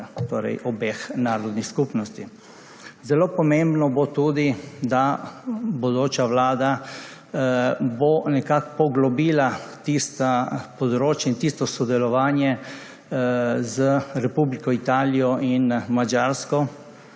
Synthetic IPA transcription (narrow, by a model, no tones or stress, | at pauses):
t̪oːɾɛ̰jʔɔbeːxnaːɾɔd̪nixskupnɔst̪i | zɛloːpɔmẽmbnɔbot̪uːd̪id̪a | bɔd̪oːt͡ʃaʋlaːd̪a | bonɛkakpɔɡlɔbiːlat̪ist̪apɔd̪ɾoːt͡ʃjɛint̪ist̪ɔsɔd̪ɛlɔʋaːnjɛ | zəɾɛpublikɔit̪aːlijɔʔinmad͡ʒaɾskɔ